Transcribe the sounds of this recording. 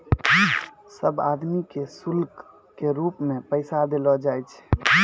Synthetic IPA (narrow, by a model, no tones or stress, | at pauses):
səbad̪mikesulkː | eɾupmepəɪsad̪elɔd͡ʒajt͡ʃʰ